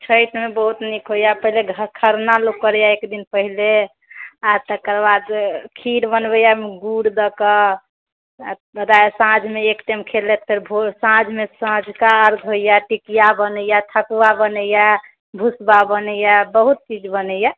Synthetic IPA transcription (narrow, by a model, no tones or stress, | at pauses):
t͡ʃʰəjt̪mebəɦut̪nikɦojapəɦileɡʱkʰəɾnalokːəɾjaekd̪inpəɦile | at̪əkəɾbad̪kʰiɾbənbəjameɡuɽd̪əkə | bəd̪aesãd͡ʒʱmeekʈemkʰelet̪̚pʰeɾbʱosãd͡ʒʱmesãd͡ʒʱkaəɾɡʱɦojaʈikijabənəjat̪ʰəkuabənəja | bʱusbabənəjabəɦut̪̚t͡ʃid͡ʒbənəja